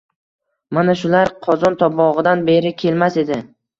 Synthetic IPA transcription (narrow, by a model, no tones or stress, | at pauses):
manaʃʊlaɾqʰɒzɒnt̪ʰɒbɒʁɨd̪anbe̞ɾɪkʲʰe̞lmase̞d̪ɪ